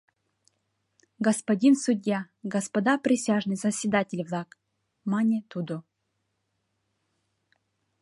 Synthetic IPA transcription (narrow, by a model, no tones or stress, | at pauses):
ɡɐspɐdʲinsʊdʲja | ɡɐspɐd̪apɾʲɪsʲaʐnɨjsəsʲvʲɪd̪atʲɪlʲvlˠak | manʲet̪ud̪u